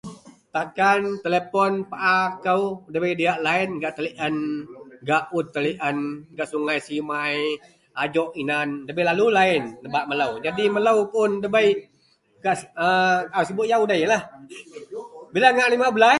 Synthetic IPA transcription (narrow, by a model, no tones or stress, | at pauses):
t̪akant̪elepɔnpaʔakəwdəbəjdiaʔlaɪnɡaʔt̪əliʔənɡaʔut̪ːəliʔənɡaʔsuŋajsimaj | ad͡ʒɔʔinandəbəjlalulaɪnləbaʔmələwd͡ʒadimələwpʊndəbəj | ɡaʔəausibʊʔjaudəɦjəlah | bilaŋaʔlimabəla